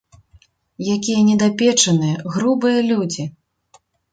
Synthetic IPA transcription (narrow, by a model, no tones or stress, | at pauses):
jakʲijɐnʲɛd̪apʲɛt͡ʂɐnɨjɐɣɾubɨjɐlʲud͡zʲi